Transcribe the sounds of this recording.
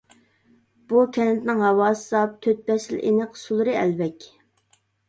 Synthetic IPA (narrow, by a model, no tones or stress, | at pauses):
b̥ukʲʰɛnɪt̪nɪŋɦɑwɑːsɨ̥sɑp̚t̪ʰøt̪̚bɛsɪlʔḛnəqsulˠɨɾɨɛlvɛkʲ